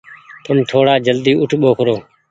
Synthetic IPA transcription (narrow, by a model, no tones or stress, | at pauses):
t̪əmt̪ʰoːɽaːd͡ʒəld̪iːʔʊʈʰɓoːkʰɾoː